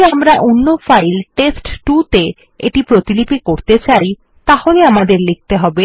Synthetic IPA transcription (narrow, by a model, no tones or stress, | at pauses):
amɾaʔonːofajlʈesʈʈut̪e | ḛʈipɾot̪ilipikoɾt̪et͡ɕaj | t̪aholeamad̪eɾlik̚ʰt̪eɦɔbe